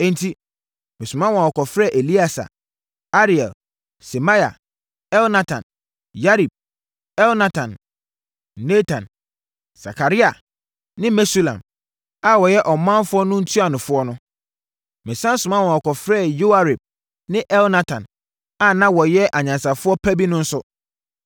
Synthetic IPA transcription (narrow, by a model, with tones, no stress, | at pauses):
ɛ̃˦n̩˦tʰi˦ | mɪ̃˨sʊ˨mã˦wɔ̃˨ɔ˨kɔ˨fɾɛ˦˨ʔe˨li˦a˦˨sa̰˨ | a˦ɾi˨ɛ˨l | se˨ma˦ja̰˨ | ɛ˦lna˦tʰã̰˨n | ja˦ɾi˨b̚ | ɛ˦lna˦tʰã˨nː | e˦tʰã˨n | sa̰˨kʰa˨ɾi˦a˨ | nɪ̃˦mɛ˦si˦lã̰˨m | a˨wɔ˨jɛ˦ʔɔ˨mːã˦m˦fʊ˦ɔ˦nʊ̃˦n̩˦tʰu˦a˨nʊ̃˨fʊ˦ɔ˦nʊ̃˦ | mɛ̃˨sã˦n˦sʊ̃˨mã˦wɔ̃˨ɔ˨kɔ˨fɾɛ˦˨jo˦a˦ɾe˨b̚ | nɪ̃˦ʔɛ˦lna˦tʰã˨n | a˨nã˦wɔ˨jɛ˦ʔa˨ɲã˨nsa˨fʊ˦ɔ˦pʰæ˦bi˦nʊ̃˦n̩˦sʊ˦